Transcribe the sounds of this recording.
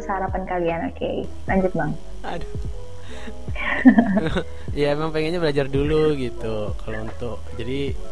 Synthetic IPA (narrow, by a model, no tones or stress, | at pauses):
səhaɾapankalianokḛḭ | laɲd͡ʒʊt̪̚baŋ | ada | jaemaŋpeŋɛɲabəlad͡ʒarduluɡit̪u | kalount̪ʊkd͡ʒadi